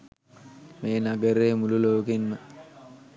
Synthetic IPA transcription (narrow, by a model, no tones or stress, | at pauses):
meːnaɡəɾeːmululoːkinmə